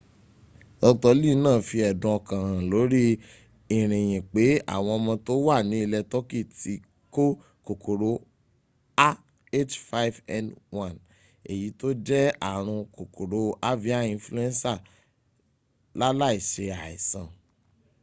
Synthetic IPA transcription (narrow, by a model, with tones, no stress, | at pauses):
ɔ˧tɔ˧li˦˨˦nãː˦˨fi˧ɛ˨dũ˨˦ɔ˧kã˨ɾ̃ã˨lo˨˦ɾi˦ | i˨ɾ̃ĩ˨j̃ĩ˨k͡pe˨˦a̰˦˨w̃ɔ̃˧ɔ˧mã˧to˦wa˦˨nĩ˨˦e˧lɛ˧tɔ˦ki˦˨ti˧˦ | ko˦ | ko˨kʰo˨ɾo˨˦ | a˦ | e˦t͡ʃfa˦i˦vɛ˧nwã˨n | e˨ji˨˦to˦d͡ʒɛ˦a̰˦˨ɾ̃ũ˧ko˨ko˨ɾo˨˦a˦vi˦a˦ĩ˧flu˦ɛ̃˦nsa˦˨ | la˦la˦i˨ʃe˧a˨ɛ̰˨sã˨